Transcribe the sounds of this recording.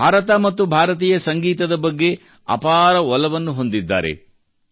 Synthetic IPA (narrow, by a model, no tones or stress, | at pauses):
aːɾɐt̪ɐmɐt̪ːubʱaːɾɐt̪̬iːjɐsɐŋɡiːt̪ɐd̪ɐbɐɡːe̞ | ɐ̰paːɾɐɔlɐʋɐnːuɦo̞nd̪id̪ːa̰ːɾe̞̰